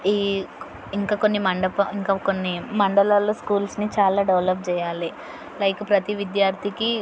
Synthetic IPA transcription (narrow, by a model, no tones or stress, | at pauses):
iː | iŋkaːkonːimɐɳɖɐpɐiŋkaːkonːimɐɳɖɐlaːloːskuːlsnit͡ʃaːlaːɖɐʋlɐp̚t͡ʃɛːjaːli | lɐjkupɾɐt̪iʋid̪jaːɾt̪ʰiki